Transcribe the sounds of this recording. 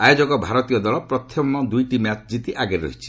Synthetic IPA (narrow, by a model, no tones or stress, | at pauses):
ajod͡ʒɔɡɔbʱaɾɔt̪ijɔd̪ɔɭɔpɾɔt̪ʰɔmɔd̪ujʈimjat͡ʃʰd͡ʒit̪iʔaɡeɾɾɔ̰ɦit͡ʃʰi̥